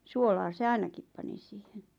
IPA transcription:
suolɑː se ɑinɑkip pɑni siːhen

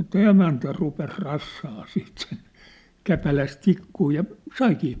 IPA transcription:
ĕtˑæ emæntæ rupes rɑsːɑː siːt sen kæpælæs tikːuː jɑ sɑikiː

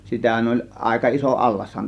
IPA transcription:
sitæhæn olʲ ʔɑˑe̝kɑ iso ʔɑlːɑshɑn

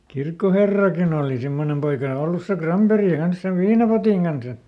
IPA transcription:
kirkːoherːɑkin oːli simːonem poikɑ olːus se krɑmperi kɑns seʋ ʋiːnɑpotiŋ kɑnsɑ

